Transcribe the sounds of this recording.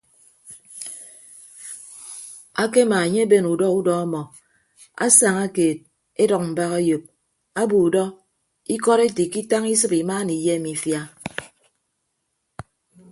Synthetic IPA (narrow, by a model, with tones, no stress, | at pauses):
a˦ke˦ma˨e˨ɲe˦be˦nu˨dɔ˦u˦dɔ˦a˦mɔ˨ | a̰˦sa˨ŋa˦keː˨t̚ | e˦dɔ˨k̚m̩˨ba˦ɣa˦jo˨p̚ | a˦bu˨u˨dɔ˦ | i˦kɔ˦ɾe˦ti˨ki˦ta˦ŋi˦s̬ɨ˦pi˨maː˦ni˨je˦mi˨fja˦